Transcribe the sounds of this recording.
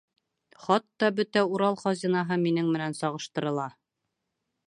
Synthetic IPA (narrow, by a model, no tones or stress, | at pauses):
χɑt̪ːɑbɵt̪æuɾɑlˠχɑzʲinɑɦɤminɘŋmɘ̆nænsɒʁɤ̆ʃt̪ɤ̆ɾɤ̆lˠɑ